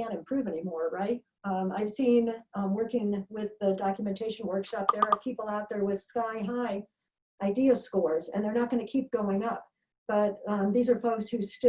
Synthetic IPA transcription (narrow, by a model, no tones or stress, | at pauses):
æ̃ɾ̃ɨ̃m̩pʰɹ̥ʉvɛnimɔɹɹaɪt̚ | aɪv̥sĩnwɜ˞kɪ̃ŋwɪðɨdɑkjmɨ̃ntʰeɪʃɨ̃n̩wɜ˞kʃɑp̚ðə˞əpʰipl̩ˠaʊt̪̚ðə˞wɪð̥skaɪɦaɪ | ʔaɪdiɨskɔɹzɨ̰̃nðə˞nət̚ɡ̥ʌñɨkʰip̚ɡ̥oʊɪ̃ŋʌp̚ | b̥ʌt̪̚ðizə˞foʊkshʉstɪ